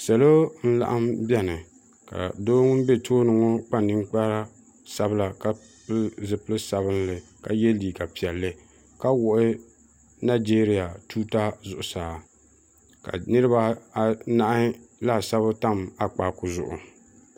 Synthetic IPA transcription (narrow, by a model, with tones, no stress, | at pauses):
sa˨lo˦n̩˦la̰˨ʔa˦mbɛ˦nɨ˨ | ka̰˨doː˦ŋ˦m˦be˦tʰoː˦nɨ˨ŋo˦k͡pa˦n˨nɨ˦ŋ˦k͡pa˦ɾa˦ | sa˦bɨ˦la˨ka˦ | plzɨ˦pɨ˦lɨ˦sa˨bɨ˦nlɨ˨ | ka˨jɛ˦liː˨ka˨pi˨ɛ˨lːɨ˦ | ka˦wʊ˨ʔɪ˦ | na˦d͡ʒeː˦ɾi˨ja˨tuː˦ta˦zʊ˨ʔʊ˨saː˨ | ka̰˨nɨ˦ɾɨ˦ba˦a˨na˦˨ʔa˦la˦˨sa˦bɨ˦ta˦ma˨k͡paː˨kʊ˨zʊ̰˨ʔʊ̰˨